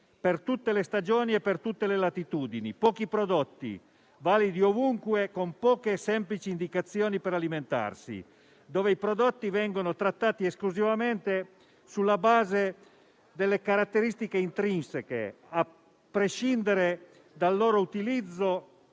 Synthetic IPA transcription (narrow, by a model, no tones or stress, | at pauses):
pert̪ut̪ːelest̪ad͡ʒoːniepːert̪ut̪ːelelat̪it̪uːd̪inḭpɔːkipɾod̪ot̪ːḭ | vaːlid̪iovuŋkwekompɔːkesɛmplit͡ʃiːnd̪ikat̪sːjoːnipeɾaliment̪a̰rsḭ | d̪oːveipɾod̪ot̪ːivɛŋɡonot̪ɾat̪ːaːt̪ieskluzivament̪e | sulːabaːze | d̪elːekaɾat̪ːeɾist̪ikeint̪ɾinsekḛ | a | pːɾeʃind̪eɾe | d̪alːoːɾout̪ilid̪zːo